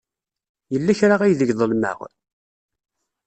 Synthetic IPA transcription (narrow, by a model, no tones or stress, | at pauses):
jəlːæçɾaʁæjðəɡðˤəlmə̰ʁ